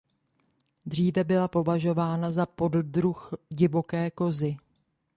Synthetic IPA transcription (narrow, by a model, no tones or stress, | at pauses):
dr̝iːvɛbɪlapo̞vaʒo̞vaːnazapo̞ddɾuxɟɪvo̞kɛːko̞zɪ